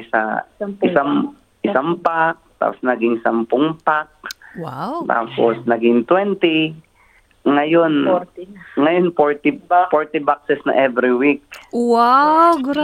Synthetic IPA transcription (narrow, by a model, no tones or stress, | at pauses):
ɪsa̰ɪsam | ʔɪsampak̚t̪a̰ːposnɐɡɪŋsɐmpʊŋpak̚ | t̪a̰ːposnɐɡɪŋt̪wɛnt̪ɪ | ŋɐjon | ŋɐjonfoɹt̪ɪfoɹt̪ɪbak̚sɛsnɐ̰ʔɛvɾɪwik̚waɡ